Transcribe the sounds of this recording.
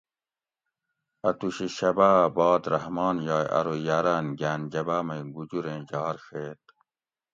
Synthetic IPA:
ɐt̪uɕiɕɐbabɑːd̪ɾɐɦmɑːnjɑːjʔɐ̰ɾojaɾanɡaːnd͡ʑɐbaːmɐjɡud͡ʑuɾẽːd͡ʑɑːɾɕeːt̪̚

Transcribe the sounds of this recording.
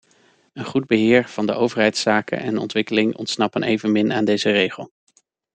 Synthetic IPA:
ənχud̚bəɦɪːɹv̥ɑndəʔowvəɹɦɛjtsaːkə̰nɛ̰nɔ̰ntʋɪkəlɪŋʔɔ̰ntsnɑpənḛjvənmɪnʔaːndejzərejχəlˠ

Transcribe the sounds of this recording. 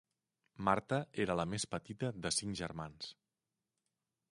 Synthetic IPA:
maɾt̪əeɾələmespət̪it̪əðəsiŋʒəɾmans

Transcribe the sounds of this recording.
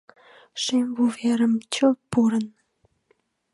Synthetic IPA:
ʃemvuveɾəmt͡ɕəpːuɾən

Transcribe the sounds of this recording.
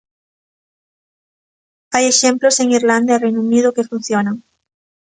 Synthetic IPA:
ajeʃẽmploseŋiɾlãnd̪arejnuuniðokefun̟θjonaŋ

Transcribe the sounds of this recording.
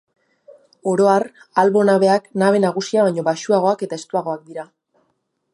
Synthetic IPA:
o̞ɾo̞aɾalβo̞naβ̞e̞aknaβ̞e̞naɣ̞usiaβajɲo̞βaʃuaɣ̞o̞ake̞t̪aest̪uaɣ̞o̞ak̚d̪iɾa

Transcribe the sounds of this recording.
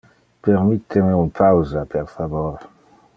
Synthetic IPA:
peɾmit̪ʰːemeunpawzapʰeɾfavoɾ

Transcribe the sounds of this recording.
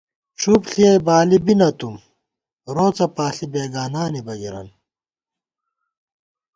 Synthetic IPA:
ʈ͡ʂʰupɬiɐjbaːlibinɐt̪um | ɾoːt͡sɐpaːɬibeːɡaːnaːnibɐɡiɾɐ̰n

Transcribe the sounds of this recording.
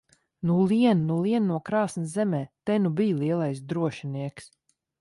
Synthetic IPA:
nuliɛnnulˠiɛnnuɔkɾaːsnszɛmɛːt̪ɛnubijlˠiɛlˠajsd̪ɾuɔʃiniɛks

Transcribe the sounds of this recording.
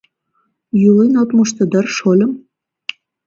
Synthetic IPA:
julinot̪mŏʃt̪ɤ̆d̪ə̆rʃolʲə̆m

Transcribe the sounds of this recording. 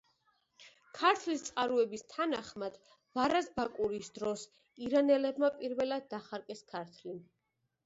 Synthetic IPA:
kʰaɾt̪ʰlist̪sʼqʼaɾuɛbist̪ʰanaχmad̪̥ | vaɾasbakʼuɾisd̪ɾɔs | iɾanɛlɛbmapʼiɾvɛlad̪̚ːaχaɾkʼɛskʰaɾt̪ʰli

